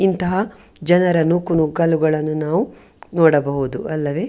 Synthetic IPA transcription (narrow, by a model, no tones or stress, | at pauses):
int̪ɐɦɐd͡ʒɐnɐɾɐnuːkunuɡɐluɡɐɭɐnːunaːʋu | nɔːɽɐbɐɦud̪uʔɐlːɐʋe̞ː